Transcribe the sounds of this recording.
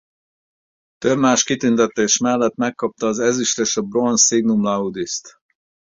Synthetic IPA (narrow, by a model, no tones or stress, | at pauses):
t̪øbmaːʃkit̪ynt̪ɛt̪ːeːʃmɛlːɛt̪mɛkːɒp̚t̪ɒːzɛziʃleːʃɒbronsiɡnumlɒud̪ist̪